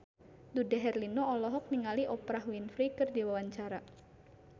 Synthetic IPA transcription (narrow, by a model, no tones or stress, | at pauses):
dudɛɦɛrlinoɔlɔɦɔk̚niŋaliʔɔpɾaɦwinfɾikɨrdiwawaɲt͡ʃaɾa